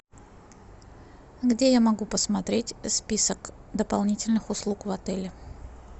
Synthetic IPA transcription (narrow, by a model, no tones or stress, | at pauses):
ɡdʲejamɐɡupəsmɐt̪ɾʲetʲspʲisəkd̪əpɐlˠnʲitʲɪlʲnɨxʊslˠukvɐt̪ɛlʲɪ